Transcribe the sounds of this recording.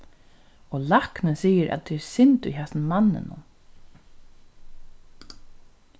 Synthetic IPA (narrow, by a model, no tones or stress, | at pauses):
ɔlaknɪnsiːəɾʔæ̰t̪̚d̪ɛɛɾsɪnt̪ʊ̰jɦɛsnmanːɪ̰nʊ̰m